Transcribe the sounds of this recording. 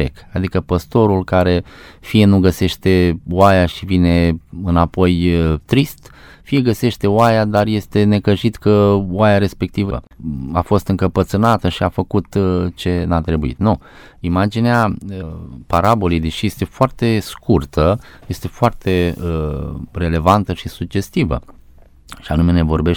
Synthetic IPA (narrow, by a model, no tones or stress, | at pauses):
ekad̪ikəpəst̪o̞ɾulkaɾe̞fije̞nuɡəse̞ʃt̪e̞oajaʃivine̞ɨnapo̞jt̪ɾist̪ | fije̞ɡəse̞ʃt̪e̞oajad̪arje̞st̪e̞ne̞kəʒit̪kəwajaɾe̞spe̞k̚t̪ivəə̰a̰fo̞st̪ɨŋkəpət̪sɨnat̪əʃiafəkut̪t͡ʃe̞nat̪ɾe̞buḭt̪nu | imad͡ʒineaəpaɾabolid̪iʃijest̪e̞foart̪e̞skurt̪əje̞st̪e̞foart̪e̞əre̞le̞vant̪əʃisuɡ̚d͡ʒe̞st̪ivə̰ | ʃianume̞ne̞vo̞rbe̞ʃ